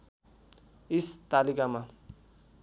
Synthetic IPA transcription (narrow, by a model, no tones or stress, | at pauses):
ist̪alikama